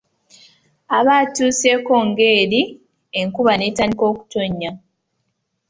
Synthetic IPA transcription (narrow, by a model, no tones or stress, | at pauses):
aβatuːseko̞ŋɡe̞ːɾi | eŋkuβane̞ːtaːndiko̞ːku̥to̞ɲːa